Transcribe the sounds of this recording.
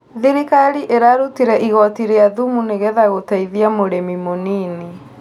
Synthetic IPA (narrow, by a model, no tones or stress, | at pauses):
ðiɾikaɾiʔeɾaɾutiɾɛʔiɣɔtiɾeaðumuneɣɛðaɣotaiðiamoɾemimoniːne